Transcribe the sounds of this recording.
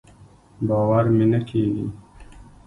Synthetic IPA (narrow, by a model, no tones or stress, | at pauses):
baːwaɾminɐkʰiːɡḭ